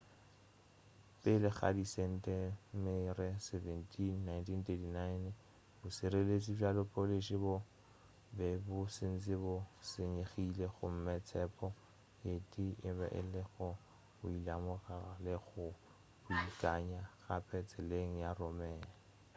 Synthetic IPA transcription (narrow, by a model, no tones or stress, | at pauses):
pʼɪlɪɣa̰disɛn̩tʼɛmɪrɪsevɛntʰinːajntʰintetinaɪn | bʊsɪɾelet͡sʼifalʊpʼoleʃibʊ | bɛbʊsɪn̩t͡sʼɪbʊseɲeχileɣʊm̩mɪt͡sʰɛpʼɔ | jetʼiɪbɛ̰ʔɪ̰lɪɣʊ | bʊilamʊraralɪɣʊ | bʊikʼaɲaɣapʰɛt͡sʰʼɛleŋ̩jaromɛːna